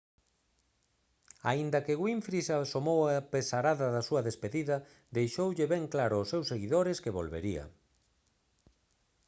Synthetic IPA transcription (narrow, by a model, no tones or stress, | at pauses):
a̰ind̪ɐkɪɣwiɱfɾisasomowapesaɾaðɐðɐsuɐðespeðiðɐ | d̪ejʃowʎɪβɛŋklaɾʊːsewseɣiðoɾɪskeβo̰lβḛɾiɐ̰